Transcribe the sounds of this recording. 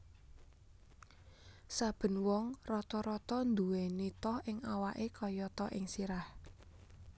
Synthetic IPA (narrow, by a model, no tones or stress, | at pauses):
sab̥ə̤nwɔŋrɔt̪ɔɾɔt̪ɔnd̪uwenit̪ɔhɪŋawaʔekɔjɔt̪ɔʔɪŋsiɾah